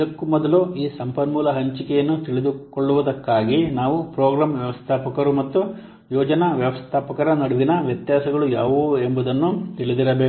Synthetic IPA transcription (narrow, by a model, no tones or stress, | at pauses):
ɐkːumɔd̪ɐluiːsɐmpɐnmuːlɐɦɐɲt͡ʃikɛjɐnːut̪iɭid̪ukoɭːuʋɐd̪ɐkːaːɡinaːʋupɾoːɡɾaːmʋjɐʋɐst̪ʰaːpɐkɐɾumɐt̪ːu | jɔːd͡ʒɐnɐʋjɐʋɐst̪ʰaːpɐkɐɾɐnɐɽuʋinɐʋjɐt̪jaːsɐɡɐɭujaːʋuembɐd̪ɐnːut̪iɭid̪iɾɐbeː